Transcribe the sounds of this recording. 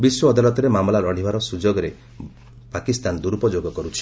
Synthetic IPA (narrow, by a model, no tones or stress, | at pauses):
biswɔːd̪alɔt̪ɔɾemamlaɾɔɽ̤ibaɾɔsud͡ʒoɡɔɾe | pakist̪and̪uɾupɔd͡ʒoɡɔkɔɾut͡ʃʰi̥